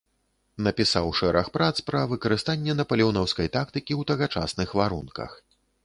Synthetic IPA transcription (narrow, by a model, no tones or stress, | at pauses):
nɐpʲisawʂɛɾʔɐxpɾat̪spɾɐvɨkɐɾɨst̪anʲːɛnɐpɐlʲɛwnɔwskɐjt̪akt̪ɨkʲiwt̪ɐɣat͡ʂa̰snɨxvaɾunkɐ̰x